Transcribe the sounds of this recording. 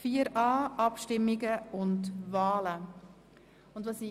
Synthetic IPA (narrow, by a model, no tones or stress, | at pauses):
fiːəɾɑːʔɑpʃtɪmːɪɡəʊndvɑːlə | ʊndvɑːsi